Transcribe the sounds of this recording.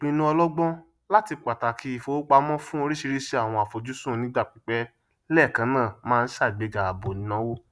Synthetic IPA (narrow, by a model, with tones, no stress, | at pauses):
k͡pĩ˧nũ˦ɔ˧lɔ˦ɡ͡bɔ̃˦ | la˦ti˧k͡pa˨ta˨ki˧˦i˦˨fo˧˦k͡pa˧mɔ̃˦fũ˦o˧ɾi˦ʃi˧ɾi˦ʃe˧a˦˨w̃ɔ̃˧a˨fo˨d͡ʒu˨˦sũ˦˨nĩ˨˦da˦˨k͡pi˨˦k͡pɛ˦ | lɛ˦˨kã˧˦nãː˦˨mãː˦˧n̩˦ʃa˦˨i˨ɡ͡be˨˧ɡa˨a˨bo˨nĩ˨˦nɔ̃˧˦wo˦